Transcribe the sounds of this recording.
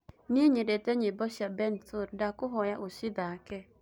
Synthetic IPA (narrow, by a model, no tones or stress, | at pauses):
nieɲedetɛɲɪbɔʃabɛnsoɾdakʊɦɔjaʔoʃɪd̪akɛ